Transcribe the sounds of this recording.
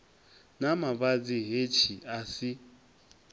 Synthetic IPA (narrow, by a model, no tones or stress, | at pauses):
namaβad͡ziɦet͡ʃʰiasi